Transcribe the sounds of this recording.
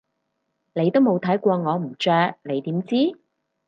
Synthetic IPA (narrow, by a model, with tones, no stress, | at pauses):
ne˨˧jt̪o˥wmo˨˧wt̪ʰɐ˨˥jkʷɔː˧ŋɔː˨˧m̩˨˩t͡ʃœː˧k̚ne˨˧jt̪iː˨˥mt͡siː˥